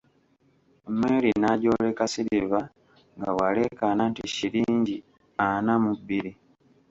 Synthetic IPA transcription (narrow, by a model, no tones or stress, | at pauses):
omweːlinaɟo̞lekasiɾiβa | ŋɡawale̞kananticiliːɲɟi | anamubːiɾi